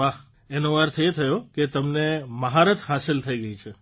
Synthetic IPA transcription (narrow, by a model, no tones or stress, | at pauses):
aɦ | enoʋaɾt̪ʰet̪ʰəjoket̪əmneməɦaɾət̪ʰɦasɪlt̪ʰəiɡəit͡ʃʰe